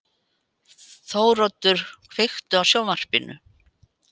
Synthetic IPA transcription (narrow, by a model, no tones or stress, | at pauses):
θowrɔt̪ːʏɾ̥kʰvejxt̪ʏawsjaːwvar̥pɪnʏ̰